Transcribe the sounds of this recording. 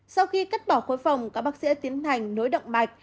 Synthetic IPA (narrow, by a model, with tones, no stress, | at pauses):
sa˧wxi˧ka˦˥t̚ɓɔ˧˩xo˨˦jfa˨˩wŋ͡mkaː˦˥k̚ɓaː˦˥k̚sḭ˧˥t̪i˨˦ənt̪ʰa˨˩jŋ̟no˨˦jɗə̰˧˨wŋ͡mɓa˨˩jk̟̚